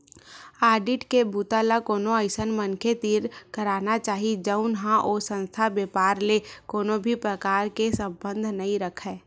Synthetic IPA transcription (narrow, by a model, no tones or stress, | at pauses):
aːɖɪʈkebʱuːt̪alakoːnoəɪsənmənkʰet̪iːɾkəɾaːnat͡ʃaːɦid͡ʒəʊnɦãʔɔːsə̃nst̪ʰabjeːpaːɾlekoːnõbʱipɾəkaːɾkesə̃bbə̃nd̪ʱnɐɦĩɾəkʰɛː